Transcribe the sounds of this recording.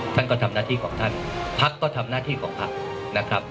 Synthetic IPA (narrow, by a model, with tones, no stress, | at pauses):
t̪ʰa˥˩nkɔː˥˩t̪ʰa˧mnaː˥˩t̪ʰiː˥˩kʰɔː˩˦ŋt̪ʰa˥˩npʰa˦˥kːɔː˥˩t̪ʰa˧mnaː˥˩t̪ʰiː˥˩kʰɔː˩˦ŋpʰa˦˥k̚ | na˦˥kʰɾa˦˥p̚